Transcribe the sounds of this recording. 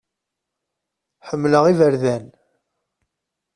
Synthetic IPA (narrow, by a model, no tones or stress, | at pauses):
ħəmːləʁivəɾðæn